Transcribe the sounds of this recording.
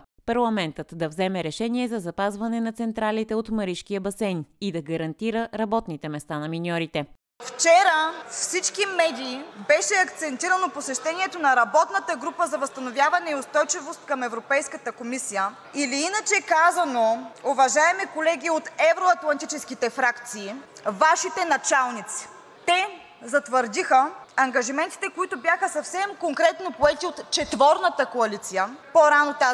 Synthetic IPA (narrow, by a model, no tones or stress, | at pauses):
pɐɾlˠɐmɛnt̪ət̪d̪ɐvzɛmɛɾɛʃɛniɛzɐzɐpazvɐnɛnɐt̪sɛnt̪ɾalit̪ɛot̪mɐɾiʃk̟iəbɐsɛnid̪ɐɡɐɾɐnt̪iɾəɾɐbɔt̪nit̪ɛmɛst̪anɐminʲɔɾit̪ɛ | ft͡ʃɛɾəfsit͡ʃkimɛd̪iːbɛʃɛɐkt̪sɛnt̪iɾənoposɛʃt̪ɛniɛt̪onɐɾɐbɔt̪nət̪əɡɾupəzɐvɐst̪ɐnovʲjavɐnɛiʊst̪ɔjt͡ʃivost̪̚kɐmɛvɾopɛjskət̪əkomisijə | iliinət͡ʃɛkazɐnoʊvɐʒaɛmikolɛɡʲiot̪ɛvɾoɐt̪lˠɐnt̪it͡ʃɛskit̪ɛfɾakt̪siː | vaʃit̪ɛnɐt͡ʃalˠnit̪si̥ | t̪ɛ | zɐt̪vəɾd̪ixəɐŋɡɐʒimɛnt̪i̥t̪ɛkoit̪objaxəsɐfsɛmkoŋkɾɛt̪nopoɛt̪iot̪t͡ʃɛt̪vɔɾnət̪əkoɐlit̪sijəpoɾanot̪a